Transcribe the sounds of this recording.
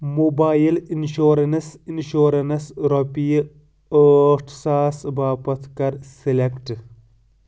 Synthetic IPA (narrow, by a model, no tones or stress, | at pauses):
moːbaːjilinʃoːɾɐnɐsinʃoːɾɐnɐsɾɔpij | əʈʰsaːsbaːpɐt̪ʰkɐɾsilekʈ